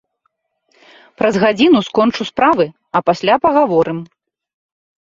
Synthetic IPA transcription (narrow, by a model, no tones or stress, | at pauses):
pɾɐzɣad͡zʲinuskɔnt͡ʂuspɾavɨ | ɐpasʲlʲapɐɣavɔɾʔɨm